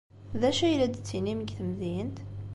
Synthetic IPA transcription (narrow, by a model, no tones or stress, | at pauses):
ðæʃæjlæd̪t͡sːiniməɡθəmðint̪